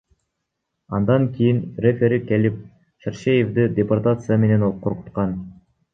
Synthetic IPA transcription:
ɑnd̪ɑŋkʲijinrefʲeɾike̞lip̚ | ʃerʃejevd̪ɨd̪ʲeport̪at̪sɨjəme̞ne̞noqʰoɾqu̥t̪qɑn

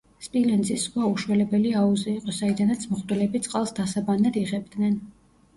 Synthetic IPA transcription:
spʼilɛnzisχwauʃwɛlɛbɛliauziːqʼɔsaid̪anat̪sʰmɔχd̪ʼɛlɛbit̪sʼqʼalˠsd̪asabanːad̪iʁɛbd̪nɛn

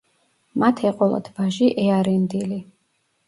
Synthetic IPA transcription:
mat̪ʰɛqʼɔlˠa̰d̪ʰbaʒiʔɛaɾɛnd̪ili

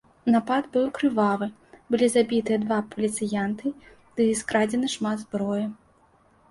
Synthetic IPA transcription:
napad̪bɨwkɾɨvalˠɨ | bɨlʲizabʲit̪ɨjɛd̪vapɐlʲit̪sɨjant̪ɨ | d̪̥ɨːskɾad͡zʲɛnɨʂmad̪zbɾɔjɛ

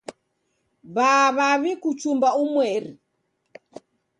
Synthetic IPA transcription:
βaβaβikut͡ʃumbaumwɛɾi

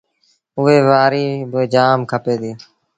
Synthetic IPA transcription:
ʊʋeːʋaːɾiːbeːd͡ʒaːmkʰəpeːd̪iː

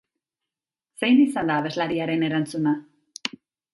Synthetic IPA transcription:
se̞jnisand̪aːβe̞zlaɾiaɾe̞ne̞ɾant͡suna

